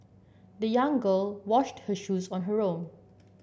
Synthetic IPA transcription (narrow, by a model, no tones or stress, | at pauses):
dəjãŋɡəlwɔʃthəʃusɔ̃nɦəɹõm